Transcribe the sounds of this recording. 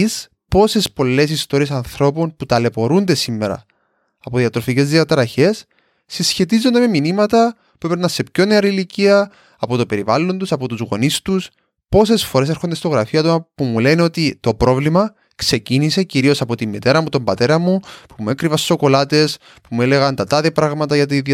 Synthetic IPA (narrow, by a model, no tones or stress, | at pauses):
s | po̞se̞spo̞lːe̞sist̪o̞ɾiesɐnθɾo̞po̞nput̪ɐle̞po̞ɾund̪e̞simːeɾɐ̰ | ɐpoðiɐt̪ɾo̞fice̞zðiɐt̪ɾɐçe̞sː | isçe̞t̪izːo̞nd̪eme̞minimɐt̪ɐ | pupenːɐnse̞pço̞neɐɾiliciɐ | ɐpo̞t̪o̞pe̞ɾivɐlːo̞nd̪usɐpo̞t̪uzɣo̞̰nist̪us | po̞se̞sfo̞ɾe̞s̬e̞ɾxo̞nd̪est̪o̞ɣɾɐfiɐt̪omɐpumule̞no̞t̪it̪o̞pɾo̞vlimɐ | kse̞cinise̞ciɾio̞sɐpo̞t̪imːit̪e̞ɾɐmut̪o̞mbɐt̪e̞ɾɐmːupumue̞kɾivɐsso̞ko̞lɐt̪e̞s | pumue̞le̞ɣɐnt̪ɐt̪ɐðepɾɐɣmɐt̪ɐʝɐt̪̬ið